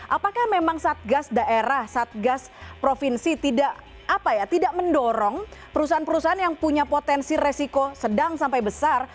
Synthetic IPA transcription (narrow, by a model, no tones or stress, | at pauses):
ʔapakahmemaŋsat̪̚ɡasdaʔeɾahsat̪̚ɡaspɾofinsit̪idaʔ | apajat̪idaʔməndɔɾɔŋpəɾusaɦanpəɾusaɦanjaŋpuɲapot̪ɛnsiresikosədaŋsampajbəsar